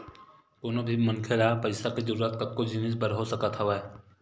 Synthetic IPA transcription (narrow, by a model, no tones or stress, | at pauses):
t̪oːnobʱimɐnkʰeɾapɐɪsakizəɾuːɾət̪̚kɐb̚kod͡ʒinɪs̬bəɾɦosəkat̪ʰaʋa